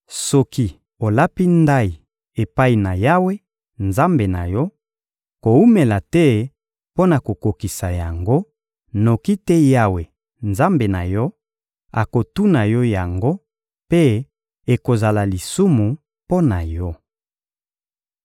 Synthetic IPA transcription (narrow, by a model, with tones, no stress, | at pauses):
sɔ˦ki˦ | o˨la˦pi˦nda˦i˨ | e˨pa˦i˨na˨ja˦we˦ | nza˦mbe˨na̰˨jɔ˦ | ko˨u˦me˨la˨tɛ˦ | po˦na˨ko˨ko˨ki˨sa˨ja˨ŋɡo˦ | no˨ki˦tɛ˦ja˦we˨ | nza˦mbe˨na˨jɔ˦ | a̰˨ko˨tu˦na˨jɔ˦ja˨ŋɡo˦ | pe˦ | e˨ko˨za˨la˨li˨su˦mu˨ | po˦na˨jɔ˦